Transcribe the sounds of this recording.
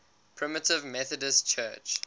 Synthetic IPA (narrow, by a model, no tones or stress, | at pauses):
pʰɹ̥ɪmətɪvmɛθədəstt͡ʃʰɜːt͡ʃ